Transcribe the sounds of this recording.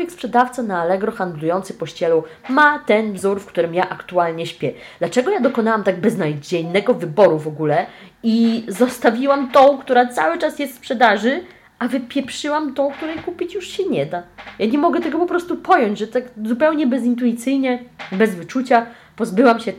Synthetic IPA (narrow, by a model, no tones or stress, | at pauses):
ɔjɛkspʂɛd̪aft̪sanaːlɛɡɾɔxand̪lujɔnt̪sɨpɔɕt͡ɕɛlɔ | mat̪ɛnvzuɾfkt̪uɾɘmjaʔakt̪ualɲɛɕpʲjɛ | d̪̥lat͡ʂɛɡɔjad̪ɔkɔnawamt̪aɡ̚bɛznajd͡ʑɛjnɛɡɔvɘbɔɾuvɔɡulɛizɔst̪avʲiwamt̪ɔ̃w̃kt̪uɾat̪sawɘt͡ʂasjɛst̪spʂɛd̪aʐɘ | avɘpʲjɛpʂɘwamt̪ɔ̃w̃k̚t̪uɾɛjkupʲit͡ɕjuʂɕɛɲɛd̪ajaɲɛmɔɡɛt̪ɛɡɔpɔpɾɔst̪upɔjɔɲd͡ʑʐɛt̪aɡzupɛwɲɛbɛz̬int̪̬uit̪sɘjɲɛbɛzvɘt͡ʂut͡ɕa | pɔzbɘwamɕɛ